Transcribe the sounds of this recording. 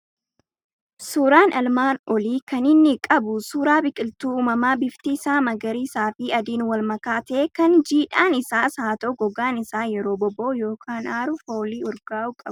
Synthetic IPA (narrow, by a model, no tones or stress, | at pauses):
suːɾaːnɐlmaːnɔliːkɐnɪnːɪkʼɐbʊsuːɾaːbɪkʼɪlt̪uːuːmɐmaːbɪft̪iːsaːmɐɡɐɾiːsaːfɪɐd̪iːnwɐlmɐkaːt̪eːkɐnd͡ʒiːᶑaːnɪsaːsaːt̪oːɡɔɡaːnɪsaːjɛɾo̞ːbɔboːjo̞ːkʰaːnaːɾʊfoːliːɔɾɡaːʔʊkʼɐbʊ